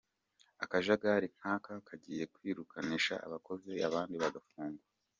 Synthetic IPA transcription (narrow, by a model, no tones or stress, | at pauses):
akaʒaɡaɾiŋ̥haːkakʰaɟiːje̞kwiːɾukʰaniʃa̰ʔa̰βako̞zea̰βaːndiβaɡafuːŋɡuwa